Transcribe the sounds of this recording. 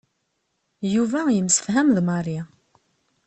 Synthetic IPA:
juvæjəmsə̥fɦæmðmɑɾa

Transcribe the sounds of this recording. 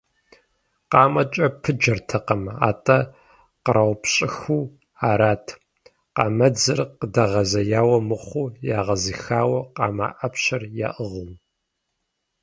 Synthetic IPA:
qɑːmɐt͡ʃʼɐpʰɨd͡ʒɐrtʰɐqɐma̰ːtʼɐ | qəɾawpʰɕʼɪxuː | aːɾaːtʰ | qɑːmɐd͡zɨrqədɐʁɐzɐjaːwɐmɨχʷuːjaːʁɐzixaːwɐqɑ̰ːma̰ːʔɐpɕɐrja̰ːʔɨʁʊm

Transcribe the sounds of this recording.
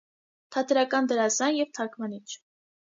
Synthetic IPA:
t̪ʰɑt̪ʰɛɾɑkɑnd̪əɾɑzɑnjɛvt̪ʰɑɾkʰvɑnit͡ʃʰ

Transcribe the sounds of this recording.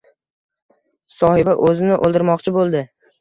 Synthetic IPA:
sɒhɪbaʔɵzɪnɪʔolˠd̪ɪɾmɒqt͡ʃʰɪbolˠd̪ɪ

